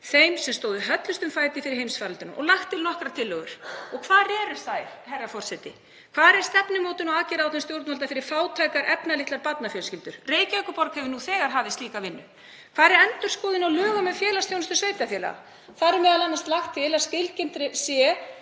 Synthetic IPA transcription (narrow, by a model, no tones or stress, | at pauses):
θejmsɛmst̪oːwðʏɦœt̪lʏst̪ʏmfaːjt̪ɪfɪɾɪɾhejmsfaɾalt̪ʏnmʔɔ̰laxt̪ʰːɪlnɔhkɾat̪ʰɪlːœɣʏ̰ɾ̥ɔkʰvaːɾɛɾʏ̥θaːjɾ̥ɦɛrːafɔr̥sɛt̪ɪ | kʰv̥aːɾɛɾ̥st̪ɛpnʏmoːwt̪ɪnɔaːcɪɾawt̪ʰɛmst̪jowɾt̪nmalt̪afɪɾɪɾ̥faːwt̪ʰɾajkaɾʔɛpnalɪht̪aɾpat̪̚nafjœlscɪlt̪ʏɾ̥reːjcɪœkʏpɔɾkhɛvɪnuθɛːɣaɾ̥ɦaːvðɪst̪liːkavɪnːʏ | kʰvaːðɾɛɾɛnt̪ʏɾ̥skoːðɪnawlœːɣamɛðfjɛːlast̪θjownʏst̪ʏsveːjt̪afjɛːla̰ɣa̰ | θaðɾʏmɛðalanːast̪laxt̪ʰːɪlascɪlcɪnt̪ɾɪsjɛ